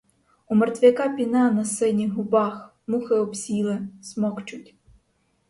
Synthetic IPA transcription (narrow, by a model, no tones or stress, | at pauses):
umert̪ʲʋʲɪkɑpʲinɛnɐsɪnʲiɦʊbɑx | muxɪɔpsʲilˠɪsmɔkt͡ʃʊtʲ